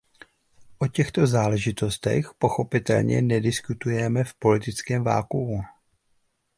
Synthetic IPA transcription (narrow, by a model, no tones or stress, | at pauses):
ʔo̞cɛxt̪o̞zaːlɛʒɪt̪o̞st̪ɛ̰xpo̞xo̞pɪt̪ɛ̰lɲɛ̰nɛdɪskut̪ujɛmɛfpo̞lɪt̪ɪt͡skɛːmva̰ːlkuu